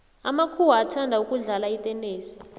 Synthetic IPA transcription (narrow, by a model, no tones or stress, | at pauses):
amakʰuwaːtʰandʱaukʼuɮalaitʼɛneːsi̥